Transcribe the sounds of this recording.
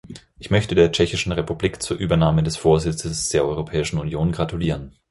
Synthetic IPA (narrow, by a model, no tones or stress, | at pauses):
ʔɪçmœçtədeːɐt͡ʃɛçɪʃn̩ʁepubliːkt͡suːɐʔyːbɐnaːmədɛsfoːɐzɪt͡səsd̥eːɐʔɔʏʁ̞opʰɛːɪʃn̩unjoːnɡʁatuliːʁ̞ən